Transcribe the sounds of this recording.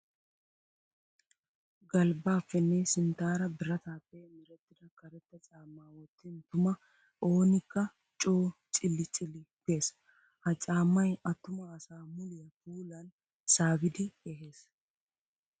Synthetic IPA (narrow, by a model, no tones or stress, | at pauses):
ɡɐlbaːfːɛnːesɪnt̪aːɾɐbɪrɐt̪aːpːeːmɪɾɛt̪ːɪd̪ɐkɐɾɛt̪ːɐt͡ʃʼaːmːaːwɔt̪ːɪnt̪ʊmɐ | ʔo̞ːnɪkːɐ | t͡ʃʼoːt͡ʃʼɪlːɪt͡ʃʼɪlːɪke̞ːs | hɐt͡ʃʼaːmːɐjɐt̪ːʊmɐːsaːmʊlɪjɐfuːlɐn | saːbɪd̪ɪɛɦe̞ːs